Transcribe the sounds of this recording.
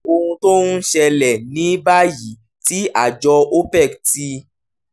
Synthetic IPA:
o˧hũ˧to˦nũ˦ʃɛ˧lɛ˨nĩ˨˦ba˦˨ji˨˦ | ti˦a˦˨d͡ʒɔ˧o˦pɛ˦˨kti˧

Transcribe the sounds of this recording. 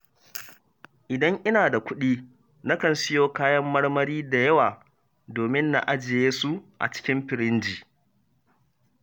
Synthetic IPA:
ʔɪ˨dɐ˦ŋʔɪ˦naː˨da˨kʷʊ˦ɗiː˦ | na˦kɐ˨nsɪ˦joː˦kaː˦jɐ˦mːɐ˦ɽmɐ˦ɾiː˦da˨jɐ˦waː˨ | doː˨mɪ˦nːa̰˨ʔa˦d͡ʒɪ˨jeː˦su˦ʔa̰˨t͡ʃɪ̥˦kʲɪ˦mɸɪ˨ɾɪ˦nd͡ʒiː˨

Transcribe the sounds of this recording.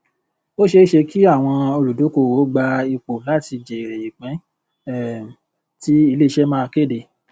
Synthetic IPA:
o˦ʃe˧˦ʃe˧ki˦a˦˨w̃ɔ̃˧o˧ɾu˨du˨˦ko˦˨wo˨˦ɡ͡ba˧i˧k͡po˨la˦˨ti˧d͡ʒɛ˨i˨ɾe˨i˨k͡pɛ̃˨˦˨ | ti˦i˧le˦i˧ʃɛ˦mãː˦˧ke˦˨de˨

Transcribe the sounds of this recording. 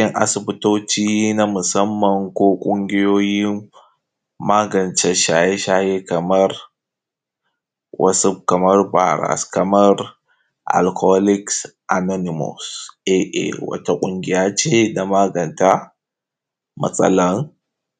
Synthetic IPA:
ɪ˦ŋʔa̰˨sɪ˨bɪ˦toː˦t͡ʃiː˦na˦mʊ˨sɐ˦mːɐ˨ŋkʷoː˦kʷʼʊ˦ŋɡʲɪ˦joː˦jɪ˦ | maː˦ɡɐ˨nt͡ʃɛ˦ʃaː˨je˦ʃaː˦je˦kɐ˨mɐ˦r | wʔɐ̰˦su˦kɐ˨mɐ˦rbaː˨ɾa̰˨skɐ˨mɐ˦r | ʔa̰˨lkʰo˦lɪ˦ksʔa˨nɔ˦nɪ˨mɔ̰˨sʔe˦ʔḛ˨wɐ̰˦ta˦kʷʼʊ˦ŋɡʲɪ˦jaː˦t͡ʃeː˦da˨maː˦ɡɐ˨nta˦ | mɐ̰˦˨sʼɐ̰˦lɐ˦ŋ

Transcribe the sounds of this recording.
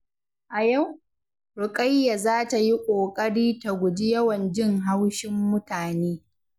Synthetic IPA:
ʔa˨ja˦˨w | ɽʊ˨kʼa˦jːa˨zaː˦ta˨ji˦kʷʼoː˨kʼɐ˦ɽiː˦ta˨ɡʷʊ˨d͡ʒi˦jɐ˦wɐ˨nd͡ʒɪ˦ŋɦa˦wʃɪ˦mːʊ˦taː˨neː˦

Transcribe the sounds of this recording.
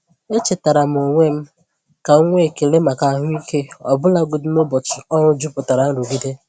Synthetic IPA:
e˦t͡ʃe˨ta˨ɾa˨m̩˨o˨ŋʷe˦m̩˦ | ka˨o˦ŋʷe˦e˨ke˨ɾe˦ma˨ka˨a˨ɦʊ˦i˦ke˦ɔ̰˨bʊ˦la˦ɡʊ˨dʊ˦no˦bʊ˨t͡ʃɪ˨ɔ˦ɾʊ˦d͡ʒu˦pʊ˨ta˨ɾa˨n̩˦ɾu˨ɡi˦de˦

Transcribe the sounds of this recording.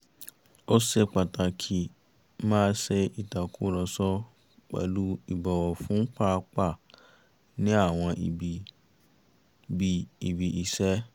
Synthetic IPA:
o˦sɛ˧k͡pa˨ta˨kʰi˦ | mãː˦sɛ˧i˨ta˨ku˦lɔ˨sɔ˧˦ | k͡pɛ̰˨lu˦i˨bɔ˨wɔ˨fũ˨˦k͡pa˦˧k͡pa˦˨ | nĩ˦a˦˨w̃ɔ̃˧ʔi˨bi˨ | bi˨i˨bi˨i˨sɛ˦

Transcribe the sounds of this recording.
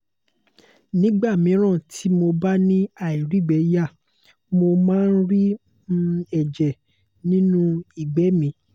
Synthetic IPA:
nĩ˦ɡ͡ba˦˨mĩ˨˦ɾ̃ã˦˨tʰi˨˦mo˧ba˦nĩ˦a˨i˨ɾi˨˦˨ɡ͡bɛ˨˦ja˦˨ | mo˧mãː˦˧˦n̩˦ɾi˦ | m˦ɛ˨d͡ʒɛ˨ | nĩ˦nũ˦i˨ɡ͡bɛ˨˦mĩ˨˧˦

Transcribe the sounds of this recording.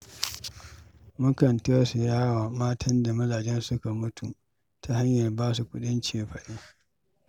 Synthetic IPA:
mʊ˦kɐ˨ntɐ˦su˨jaː˦waː˨maː˦tʰɐ˦nda˨mɐ˦zaː˨d͡ʒɛ˦nsʊ˦ka˨mʊ˦tu˨ | tʰa˨ha˦ɲjɐ˨rbaː˦s̬u˨kʷʊ˦ɗɪ˦nt͡ʃeː˨ɸɐ˨ɗiː˦

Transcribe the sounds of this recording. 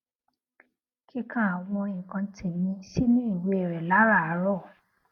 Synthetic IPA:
kʰi˦kʰã˦˨a˨w̃ɔ̃˧ĩ˨kã˧tʰi˨mĩ˧˦si˦nĩ˦i˦˨we˨˧˦ɛ˨ɾɛ˨la˨˦ɾa˦˨a˨˦ɾɔ˦˨

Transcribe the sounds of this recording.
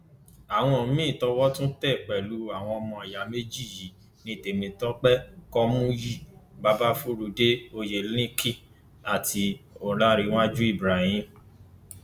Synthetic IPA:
a˨w̃ɔ̃˧˦˨mĩ˦˨tɔ˧wɔ˦tũ˦tɛ˦˨k͡pɛ˨lu˨˦a˨w̃ɔ̃˧ɔ˧mɔ̃˧a˨ja˨˦me˦d͡ʒi˦˨ji˨˦ | nĩ˧˦˨te˨mĩ˧tɔ˦k͡pɛ˦kɔ˦mũ˦ji˦˨ba˦ba˦fu˦ɾu˧de˦o˧je˨lĩ˦kĩ˦ | a˨ti˧o˨la˦ɾi˧˦w̃a˦d͡ʒu˦i˦˨bɾa˨˦hĩ˦

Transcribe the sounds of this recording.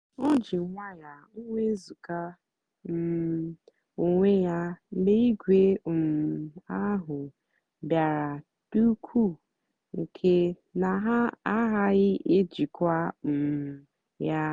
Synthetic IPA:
ɔ˦d͡ʒi˨˦ŋʷa˦ja˨ | u˦ŋʷe˦zu˨ka˦ | m̩˨ | o˨ŋʷe˦ja˦ɡ͡be˦i˦ɡʷe˦˨ | a˦ɦʊ˨ | bja˨ɾa˨ | d̥u˦kʰu˦ | ŋ̩˨kʰe˦ | na˨ɦa˦a˦ɦa˦ɣɪ˦ʔe˦d͡ʒi˨kʷa˦m̩˨m˨ | ja˦

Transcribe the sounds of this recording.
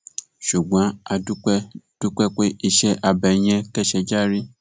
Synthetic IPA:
ʃu˨ɡ͡bã˨˦a˧du˦ | d̥u˦k͡pɛ˦k͡pe˦ʔi˧ʃɛ˦ʔa˧bɛ˨j̃ɛ̃˧kɛ˦ʃɛ˧d͡ʒa˦ɾi˦

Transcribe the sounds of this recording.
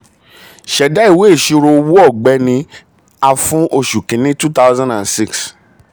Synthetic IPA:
ʃɛ˨da˦i˦˨we˨˦e˦˨ʃu˧ɾo˧wu˦ɔ˦˨ɡ͡bɛ˨˦nĩ˧ | a˧fũ˦ʔo˧ʃu˨kĩ˨˦nĩ˦tu˦ta˦ʊzã˦ndã˨nsi˦˨ks

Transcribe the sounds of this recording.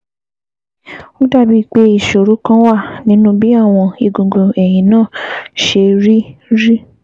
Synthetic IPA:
ũ˦da˦˨bi˧k͡pe˧˦i˦˨ʃo˨ɾo˨˦kã˦wa˦˨nĩ˨˦nũ˦bi˦a˦˨w̃ɔ̃˧i˧ɡõ˨ɡo˨ɛ˨j̃ĩ˨nãː˦˨ʃe˧ɾi˦ɾi˦

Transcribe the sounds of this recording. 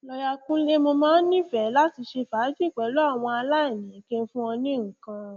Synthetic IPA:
lɔ˧ja˧kũ˦le˦mo˧mãː˦n̩˦nĩ˦fɛ˨˦la˦ti˧ʃe˧fa˨˦d͡ʒi˦˨k͡pɛ˨˦lo˨˦a˦˨w̃ɔ̃˧a˧la˦e˦˨nĩ˨ĩ˨˦ke˦n̩˦fũ˦ɔ˧nĩ˦ŋ̩˨˦kã˧

